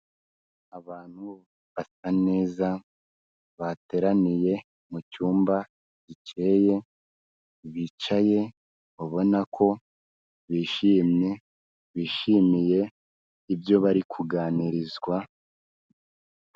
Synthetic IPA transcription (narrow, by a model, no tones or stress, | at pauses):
aβaːn̥hu | βasane̞ːza | βate̞ːɾanije̞ | mucuːmba | ɟ̥it͡ʃe̞je̞ | βit͡ʃaje̞ | βoβo̞nakʰo̞ | βiːʃimɲe̞ | βiːʃimije̞ | ibjo̞βaɾikʰuɡaːniɾizɡwa